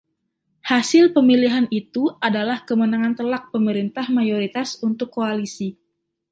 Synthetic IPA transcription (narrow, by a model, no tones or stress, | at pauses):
hasɪlpəmiliɦanit̪uʔadalahkəmənaŋant̪əlak̚pəməɾint̪ahmajoɾit̪asunt̪ʊkːoalisi